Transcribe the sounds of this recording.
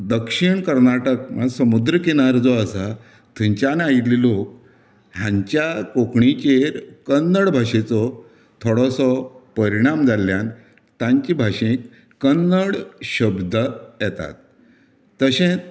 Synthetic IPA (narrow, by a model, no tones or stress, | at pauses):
d̪əkʂiɳkəɾnaʈək̚masəmud̪ɾəkeñaɾd͡zɔəsa | t̪ʰĩɲt͡ɕanait̪lilok̚ | ɦjãɲt͡ɕjakokɳit͡ɕeɾkənːəɽbʱaɕet͡sɔ | t̪ʰɔɽɔsɔpəɾiɽ̃amd͡zaljan | t̪ãɲt͡ɕibʱaɕẽkː | ənːəɽɕəbd̪ʱəjɛt̪a̰t̪̚ː | əɕẽ